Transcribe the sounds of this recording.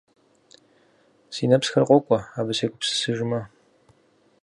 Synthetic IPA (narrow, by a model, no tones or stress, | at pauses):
siːnɐpsxɐrqʷʼɔkʷʼɔaːbɨseːɡʷʊpsɨ̥sɨʒɪmɐ